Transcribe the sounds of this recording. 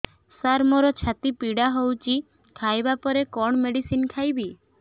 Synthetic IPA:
saɾmɔɾɔt͡ʃʰat̪ipiɽaɦowt͡ʃʰi | kʰajbapɔɾekɔɳ̃meɽisinkʰajbi

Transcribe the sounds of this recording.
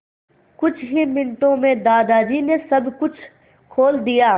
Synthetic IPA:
kʊt͡ʃʰɦimɪnʈõmẽd̪aːd̪aːd͡ʒinesɐbkʊt͡ʃʰ | kʰoːld̪ijaː

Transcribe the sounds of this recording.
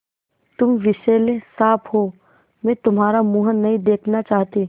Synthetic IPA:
t̪ʊmʋɪʃeːlesaːpʰɦoː | mɛ̃ːt̪ʊmɦaːɾamuːɦəːɐɦĩd̪eːkʰnat͡ʃaːɦt̪i

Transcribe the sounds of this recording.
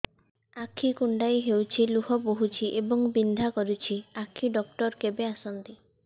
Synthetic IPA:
akʰːikuɳɖajɦewt͡ʃʰiluɦɔpoɦut͡ʃʰiʔebɔŋbind̪ʱakɔɾut͡ʃʰiakʰːiɖɔkʈɔɾkebeasɔnt̪i

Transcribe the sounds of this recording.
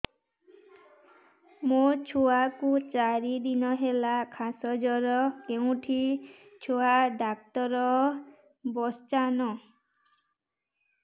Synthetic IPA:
mot͡ʃʰuakut͡ʃaɾid̪inɔɦelakʰasɔd͡ʒɔɾɔkeũʈʰit͡ʃʰoaɖak̚t̪ɔɾɔ | bɔst͡ʃanɔ

